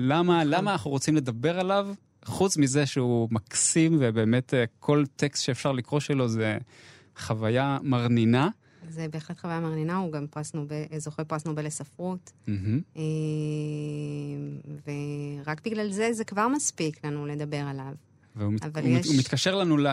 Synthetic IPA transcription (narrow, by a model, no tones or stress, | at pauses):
lamalamaːnaχnuʁot͡simle̞d̪abe̞ʁalav | χut͡smizeʃeumaksimvebe̞ːmetekʰo̞lt̪e̞kstʃeefʃaʁlikʁo̞ʃelo̞ze | χavajamaʁnina | zebeχlet̪χavajamaʁninauɡampoasnobezoχepoasnobelesafʁutm̩ɦm̩e | veʁakbiɡlalzezekvaʁmaspiklanule̞d̪abe̞ʁalav | veuavalumitkaʃe̞ʁlanule